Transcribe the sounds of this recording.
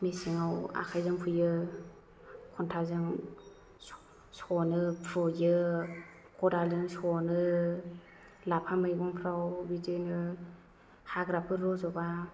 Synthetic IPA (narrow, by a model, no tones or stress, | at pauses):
mesiŋawa̰kʰajzɯŋpʰujɯ | kʰɔntʰazɯŋ | sɔnɯpʰɾɔjɯ | kɔdalzɯŋsɔnɯ | lapʰamɯjɡɔŋpʰɾawbidɯnɯ | haɡɾapʰɯɾɔzɔba